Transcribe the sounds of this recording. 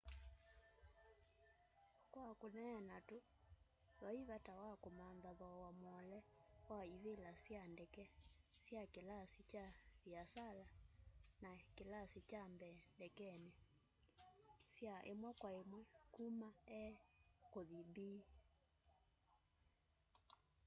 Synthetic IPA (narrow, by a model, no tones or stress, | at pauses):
kwakonɛjanato | ðwaiβatawakomanðaðɔwamwɔlɛwaiβelasjandɛkɛsjakelasit͡ʃaβjasalanakelasit͡ʃambɛndɛkɛne | sjaʔemwɛkwaemwɛkumaɛkoðibiː